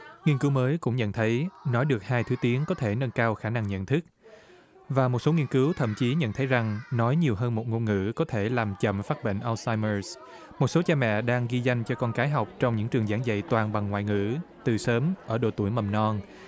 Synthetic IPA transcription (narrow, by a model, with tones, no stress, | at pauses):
ŋi˧ənkɨ˨˦wməː˨˦jkʊ̰˧˥ŋ͡mɲə̰˧˨nt̪ʰə˨˦jnɔ˨˦jɗɨ˨˩ək̚haː˧jt̪ʰɨ˨˦t̪i˨˦əŋkɔ˨˦t̪ʰe˧˩nə˧nkaː˧wxaː˧˩na˧ŋɲə̰˧˨nt̪ʰɨ˦˥k̚ | vaː˨˩mo˨˩t̚so˨˦ŋi˧ənkɨ˨˦wt̪ʰə̰˧˨mt͡ɕi˨˦ɲə̰˧˨nt̪ʰə˨˦jza˨˩ŋnɔ˨˦jɲi˨˩əwɦəː˧nmo˨˩t̚ŋo˧nŋɨ̰˧˥kɔ˨˦t̪ʰe˧˩laː˨˩mt͡ɕə̰˧˨mfaː˦˥t̚ɓḛ˧˨ŋ̟ʔa˧wsaː˧jmə˧s | mo˨˩t̚so˨˦t͡ɕaː˧mɛ̰˧˨ɗaː˧ŋɣi˧za˧jŋ̟t͡ɕɔ˧kɔ˧nkaː˨˦jɦa˨˩wk͡p̚t͡ɕɔ˧wŋ͡mɲɨ̰˧˥ŋt͡ɕɨ˨˩əŋzaː˧˩ŋzə̰˧˨jt̪waː˨˩nɓa˨˩ŋːwa̰ː˧˨jŋɨ̰˧˥t̪ɨ˨˩səː˨˦mʔəː˧˩ɗo̰˧˩t̪u˧˩əjmə˨˩mnɔ˧n